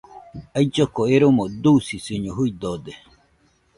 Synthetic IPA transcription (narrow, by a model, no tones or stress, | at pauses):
ajd͡ʒokoeɾomod̪usisɨɲoɦuid̪od̪e